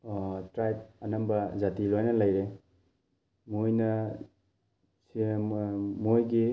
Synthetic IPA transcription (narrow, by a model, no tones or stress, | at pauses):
tɾajb̚ɐnambɐzatilojnɐlajɾe | mojnɐ | s | mojɡi